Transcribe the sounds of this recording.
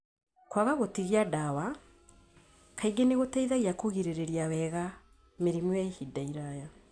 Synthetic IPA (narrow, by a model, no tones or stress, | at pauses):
kwaɣaɣotiɣiadawa | kaiɡeneɣotaiðaɣiakoɣiɾeɾeɾiawɛɣa | meɾimwaehidaiɾaja